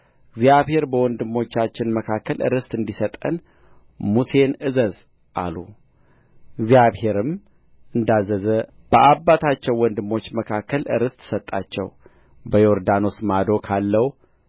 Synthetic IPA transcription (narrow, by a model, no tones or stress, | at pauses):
ɨɡzjaβhe̞ɾbəwɔnd̪ɨmːo̞t͡ʃːat͡ʃːɪnməkʰakːəlɨ̰ɾɨst̪ʼɨnd̪isət̪ʼə̰n | muse̞nɨzəz | ʔa̰lu | ɨɡzijaβhe̞ɾɨm | ɨnd̪azəzə | b̥əʔabːat̪ʰat͡ʃːɛwːɔnd̪ɨmːo̞t͡ʃːməkʰakʰːəlɨɾɨst̪ʼsət̪ʼːa̰t͡ʃːɛ̰w | bəjoɾd̪ano̞smad̪o̞kʰalːəw